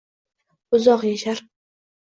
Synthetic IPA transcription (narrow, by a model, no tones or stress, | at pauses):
ʊzɒqjaʃaɾ